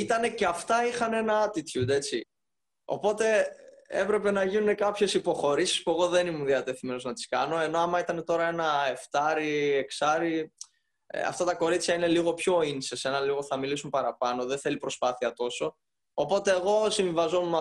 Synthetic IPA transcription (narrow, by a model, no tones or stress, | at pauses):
it̪ɐne̞ceɐft̪ɐixɐne̞nɐɐt̪it̪çud̪e̞t͡si | o̞̰po̞t̪e̞ḛpɾe̞pe̞nɐʝinune̞kɐpçe̞sipo̞xo̞ɾisi̥spue̞ɣo̞ðe̞nimunðiɐt̪e̞θime̞no̞znɐt̪i̥skɐno̞e̞no̞ɐmɐit̪ɐne̞t̪o̞ɾɐenɐe̞ft̪ɐɾieksɐɾi | ɐ̰ft̪ɐt̪ɐko̞ɾit͡sçɐine̞liɣo̞pço̞insese̞nɐliɣo̞θɐmilisumpɐɾɐpɐno̞ðenθe̞lipɾo̞spɐθiɐt̪o̞so̞ː | po̞t̪e̞ːɣo̞siɱvivɐzo̞mmɐ